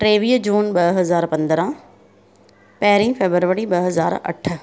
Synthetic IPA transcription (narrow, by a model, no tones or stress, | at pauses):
ʈɾeːʋiːd͡ʑuːnɓɐɦɐzaːɾpɐ̃nd̪əɾã | pɛɦɪɾĩːfeːbɾʋəɾiɓɐɦɐzaːɾɐ̰ʈʰə̆